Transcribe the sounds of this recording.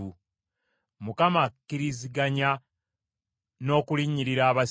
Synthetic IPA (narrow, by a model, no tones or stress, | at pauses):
u | mukamakːiɾiziɡaɲa | no̞ːkuliɲiɾiɾaːβa